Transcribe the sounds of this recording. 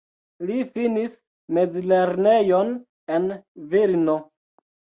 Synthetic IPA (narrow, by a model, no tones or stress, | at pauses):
lifinis | me̞d͡zleɾne̞jon | enviɾno